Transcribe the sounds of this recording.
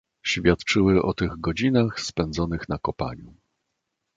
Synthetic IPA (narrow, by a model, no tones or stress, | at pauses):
ɕfʲjat̪t͡ʂɘwɘʔɔt̪ɘɣɡɔd͡ʑinaxspɛnd̪zɔnɘxnakɔpa̰ɲu